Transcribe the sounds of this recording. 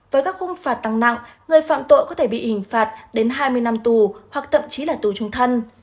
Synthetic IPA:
vəː˨˦jkaː˦˥k̚xʊ˧ŋ͡mfaː˨˩t̚t̪a˧˩ŋna̰˧˨ŋŋɨ˨˩əjfa̰ː˧˨mt̪o̰˧˨jkɔ˨˦t̪ʰe˧˩ɓḭ˧˨ʔï˧˩ŋ̟faː˨˩t̚ɗe˨˦nɦaː˧jmɨ˧əjna˧mt̪u˨˩hwa˨˩k̚t̪ʰə̰˧˨mt͡ɕi˨˦laː˨˩t̪u˨˩t͡ɕʊ˧ŋ͡mt̪ʰə˧n

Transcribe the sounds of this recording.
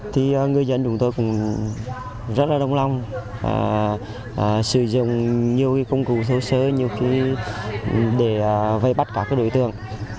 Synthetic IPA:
t̪ʰi˨˩ʔəː˨˩ŋɨ˨˩əjzə̰˧˥˨nt͡ɕʊ˨˦ŋ͡mt̪o˧jkʊ̰˧˥ŋ͡m | zə˦˥t̚laː˨˩ɗə˧wŋ͡mla˧wŋ͡mʔa̰ː˧˩ | ʔːsɨ̰˧˩zʊ̰˧˨ŋ͡mɲi˧əwkaː˨˦jkə˧wŋ͡mku˧˨˩sə˧˦səː˨˦ɲi˧əwxi˧˦ | ɗe˧˩˨və˧jɓa˦˥t̚kaː˦˧˩kːaː˨˦˥ɗo̰˧˨jt̪ɨ̰˧˨əŋ

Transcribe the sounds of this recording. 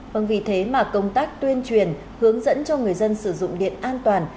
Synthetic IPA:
və˧˩nvi˨˩t̪ʰe˨˦maː˨˩kə˧wŋ͡mt̪aː˦˥k̚t̪wi˧ənt͡ɕwi˨˩ən | hɨ˨˦əŋzə̰˧˥nt͡ɕɔ˧ŋɨ˨˩əjzə˧nsɨ˧˩zʊ̰˧˨ŋ͡mɗḭ˧˨ənʔaː˧nt̪waː˨˩n

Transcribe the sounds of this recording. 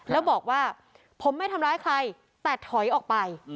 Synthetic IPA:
lɛː˦˥wbɔː˨˩k̚waː˥˩ | pʰo˩˦mːa˥˩jt̪ʰa˧mɾaː˦˥jkʰa˧j | t̪ɛː˨˩t̪ʰɔ˨˩˦jʔɔː˨˩k̚pa˧j

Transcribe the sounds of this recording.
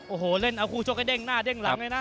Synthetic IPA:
ʔoː˧˩hoː˨˩˦le˧˥˩nʔa˧wkʰuː˧˩t͡ɕʰo˦˥k̚ːa˧˩˧de˧˩ŋnaː˧˥˩de˧˥˩ŋla˨˦˧lɤ˧jna˦˥

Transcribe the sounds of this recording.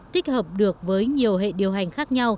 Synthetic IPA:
t̪i˦˥k̚həː˨˩p̚ɗɨ˨˩ək̚vəː˨˦jɲi˨˩əwɦḛ˧˨ɗi˨˩əwɦa˨˩jŋ̟xaː˦˥k̚ɲa˧w

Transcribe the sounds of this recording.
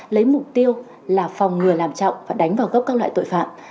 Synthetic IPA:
lə˨˦jmʊ˨˩k͡p̚t̪i˧əw | laː˨˩fɔ˨˩wŋ͡mŋɨ˨˩əlaː˨˩mt͡ɕɔ̰˧˨wŋ͡mvaː˨˩ɗa˨˦ŋ̟vaː˨˩wɣə˦˥p̚kaː˦˥k̚la̰ː˧˨t̪o̰˧˨jfa̰ː˧˨m

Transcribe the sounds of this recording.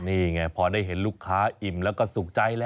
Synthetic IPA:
niː˧˩ŋa˧˩pʰɔː˧daː˥˩jɦe˩˦nluː˥˩kʰːaː˦˥ʔi˨˩mlɛː˦˥wkɔː˥˩su˨˩k̚t͡ɕa˧jlɛː˦

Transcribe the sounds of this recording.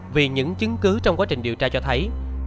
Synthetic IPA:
vi˨˩ɲɨ̰˧˥ŋt͡ɕɨ˨˦ŋkɨ˨˦t͡ɕɔ˧wŋ͡mkwaː˨˦˥t͡ɕï˨˩ŋ̟ɗi˨˩əwt͡ɕaː˧t͡ɕɔ˧t̪ʰə˨˦j

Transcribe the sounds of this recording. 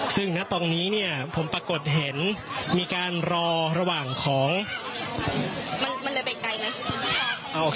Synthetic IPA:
sɯ˥˩ŋna˦˥t̪ɔː˧ŋniː˦˥ni˥˩ɐpʰo˩˦mpɾaː˧ko˨˩t̪̚ɦe˩˦nmiː˧kaː˧nɾɔː˧ɾa˧waː˨˩ŋkʰɔː˩˦ŋː˧ | ma˧nma˧nlɤː˧˩jpa˧jka˧jna˦˥ | ʔa˧˩ʔoː˧

